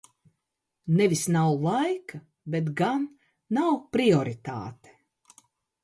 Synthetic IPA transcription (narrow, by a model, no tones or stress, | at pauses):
nevisnawlajka | bet̪̬ɡanː | awpɾiɔɾit̪a̰ːt̪e̥